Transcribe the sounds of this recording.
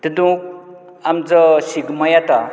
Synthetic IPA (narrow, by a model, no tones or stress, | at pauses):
t̪id̪ũk̚ | amd͡zəsiɡmajat̪a